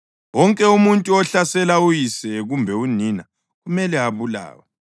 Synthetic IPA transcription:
wɔŋkʼɛumuntʼuɔɬasɛlaujisɛɣumbʱɛunina | ɣumɛlɛaβula̰ːwa

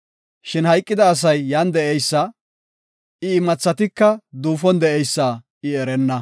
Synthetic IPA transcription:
ʃɪnhɐjkʼːɪd̪ɐːs̬ɐjːaːnd̪ɛʔɛjsːɐ | ɪːmɐt͡sːɐt̪ɪkːɐd̪uːfɔnd̪ɛʔɛjsːaː | ɪɛɾɛnːɐ

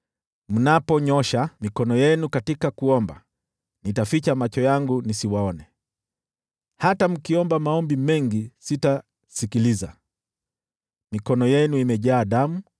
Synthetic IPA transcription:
m̩napɔɲɔʃamikɔnɔjɛnukatikakuɔmba | nitafit͡ʃamat͡ʃɔjaŋɡunisiwaɔnɛ | hatam̩kiɔmbamaɔmbimɛŋɡisita | sikiliza | mikɔnɔjɛnuimɛʄaːɗamu

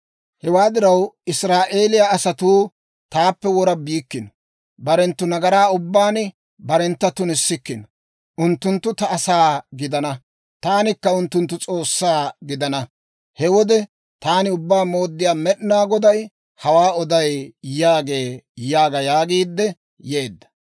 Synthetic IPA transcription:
hɛwaːd̪ɪɾɐwɪsɾaːʔeːlɪjaːsɐt̪uː | t̪aːpːɛwɔɾɐbiːkːɪnɔ | bɐɾɛnt̪ːʊnɐɡɐɾaːʊbːaːn | bɐɾɛnt̪ːɐt̪ʊnɪsːɪkːɪnɔ | ʔʊnt̪ːʊnt̪ːʊt̪ɐːsaːɡɪd̪ɐnɐ | t̪aːnɪkːɐʊnt̪ːʊnt̪ːʊt͡sʼo̞ːsːaːɡɪd̪ɐnɐ | hɛwɔd̪ɛ | t̪aːnɪʊbːaːmo̞ːd̪ːɪjaːmɛɗnaːɡɔd̪ɐj | hɐwaːɔd̪ɐjjaːɡe̞ːjaːɡɐjaːɡiːd̪ːɛ | je̞ːd̪ːɐ̥

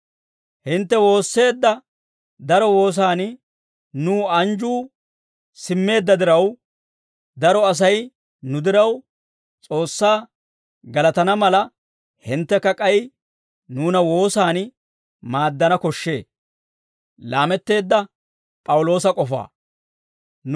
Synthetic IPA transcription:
hɪnt̪ːɛwo̞ːsːe̞ːd̪ːɐ | d̪ɐɾɔwo̞ːs̬aːn | nuːɐnd͡ʒuː | sɪmːe̞ːd̪ːɐd̪ɪɾɐw | d̪ɐɾɔɐs̬ɐj | nʊd̪ɪɾɐw | t͡sʼo̞ːsːaː | ɡɐlɐt̪ɐnɐmɐlɐ | hɪnt̪ːɛkːɐkʼɐj | nuːnɐwo̞ːsaːn | maːd̪ːɐnɐkɔʃːe̞ː | laːmɛt̪ːe̞ːd̪ːɐ | pʼɐwʊlo̞ːsɐkʼɔfa̰ː

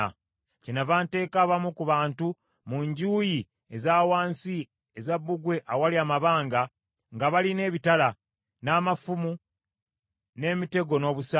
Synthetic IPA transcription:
a̰ | cenavaːnte̞ːkaːβamukuβaːntu | muɲɟuːji | ezaːwaːnsi | ezabːuɡwe̞ʔawaliaːmaβaːŋɡa | ŋɡaβaline̞ːβitala | naːmafumu | ne̞ːmite̞ɡo̞no̞ːβusa

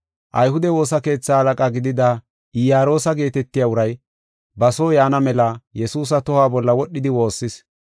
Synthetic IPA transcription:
ʔɐjhʊd̪ɛwo̞ːsɐke̞ːt͡sːaːhɐlɐkʼaɡɪd̪ɪd̪a | ɪjaːɾo̞ːsɐɡe̞ːt̪ɛt̪ːɪjaʊɾɐj | bɐso̞ːjaːnɐmɛlɐjɛsuːs̬ɐt̪ɔhaːbɔlːɐwɔɗːɪd̪ɪwo̞ːsːɪs

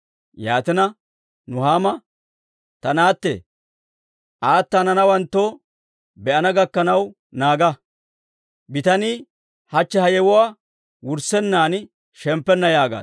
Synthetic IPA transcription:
jaːt̪ɪnɐ | nʊhaːmɐ | t̪ɐnaːt̪ːɛ̰ | ʔaːt̪ːanɐnɐwɐnt̪ːo | bɛʔɐnɐɡɐkːɐnɐw | naːɡɐ | bɪt̪ɐni | hɐt͡ʃːɛhɐjɛwɔwaː | wʊɾsɛnːaːn | ʃɛmpːɛnːɐjaːɡa̰ː

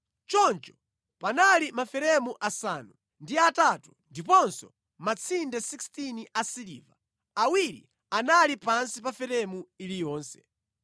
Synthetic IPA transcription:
t͡ʃɔnt͡ʃɔ̥ | panalimafɛɾɛmuʔasaːnu | ndiatatundipɔnsɔ | mat͡sʰindɛsikstiniasiliːva | awiɾḭ | analipansipafɛɾɛmuilijɔːnsɛ̥̰

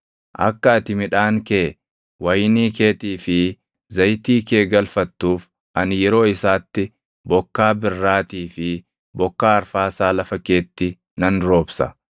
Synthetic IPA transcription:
ʔɐ̰kːɐːt̪ɪmɪᶑaːŋkeː | wɐjniːkeːt̪iːfɪ | zɐjt̪iːkeːɡɐlfɐt̪ːuːf | ʔɐnɪjɛɾo̞ːɪsaːt̪ːɪ | bɔkːaːbɪrːaːt̪iːfɪ | bɔkːaːɐɾfaːsaːlɐfɐke̞ːt̪ːɪ | nɐnɾo̞ːbsɐ̰

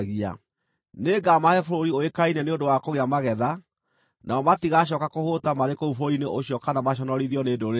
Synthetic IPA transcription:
ɣia̰ | neɡamahɛfoɾoɾioekainɛneondowakoɣeamaɣɛða | nʔaɔmatiɣaɕ̬ɔkakohotamaɾekoufoɾineʔoɕjɔkanamaɕ̬ɔnɔɾiðiɔneːdoɾe

